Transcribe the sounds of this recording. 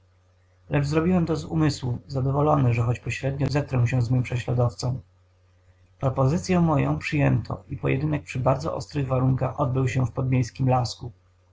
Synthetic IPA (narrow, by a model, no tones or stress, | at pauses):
lʔɛʐzɾɔbʲiwɛmt̪ɔzṵmɘswuzad̪ɔvɔlɔnɛʐɛxɔt͡ɕpɔɕɾɛd̪ɲɔzɛkɾɔw̃ɕɛzmɘmpʂɛɕlad̪ɔft̪sɔ̃w̃ | pɾɔpɔzɘt̪sʲjɛmɔjɔ̰̃w̃pʂɘjɛnt̪ʰɔ̰ipɔjʔɛ̰d̪ɘnɛk̚pʂɘbaɾd̪zɔ̰ʔɔ̰st̪ɾɘɣvaɾuŋkaxɔd̪̚bɘwɕɛfpɔd̪mʲejskʲimlasku